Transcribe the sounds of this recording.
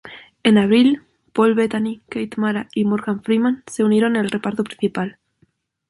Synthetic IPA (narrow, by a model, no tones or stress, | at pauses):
e̞naβ̞ɾil | po̞lβet̪anikejt̪maɾaimoɾɣaɱfɾimãnse̞uneɾo̞nelre̞paɾt̪opɾĩn̟θipal